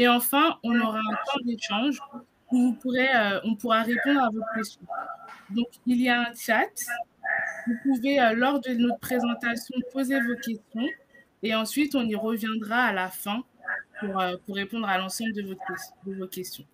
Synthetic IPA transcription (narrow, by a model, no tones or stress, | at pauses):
eɑ̃fɛ̃ɔ̃nɔʁaɛ̃t̪ɑ̃d̪eʃɑ̃ʒ | ũvupuʁɛøɔ̃puʁaʁepɔ̃d̪ʁavɔt̪χkʲɛst̪jɔ̃d̪ɔ̃kilijaɛ̃t͡ʃat̪ | vupuveølɔʁd̪ənɔt̪χpχezɑ̃t̪asjɔ̃pozevokʲɛst̪jɔ̃ | eɑ̃sɥit̪ɔ̃niʁəvjɛ̃d̪ʁaːlafɛ̃ | puʁøpuʁːepɔ̃d̪ʁalɑ̃sɑ̃bld̪əvot̪ɛd̪əvokʲɛst̪jɔ̃